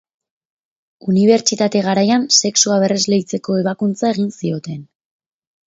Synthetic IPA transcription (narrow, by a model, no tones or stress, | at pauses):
uniβ̞e̞ɾt͡ʃit̪at̪e̞ɣ̞aɾajanse̞ksuaβ̞e̞re̞zle̞jt͡se̞ko̞e̞β̞akunt͡sae̞ɣinsio̞t̪e̞n